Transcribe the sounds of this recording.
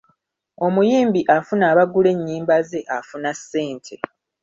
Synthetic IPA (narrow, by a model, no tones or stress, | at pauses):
o̞mujiːmbiʔafunaːβaɡule̞ɲːiːmbaze̞ʔafunasːe̞ːntʰe̞